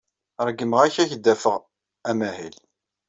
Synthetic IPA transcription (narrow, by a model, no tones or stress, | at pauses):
ɾˤɡːəməʁæçæçəd̪ːæfəʁ | æmæhil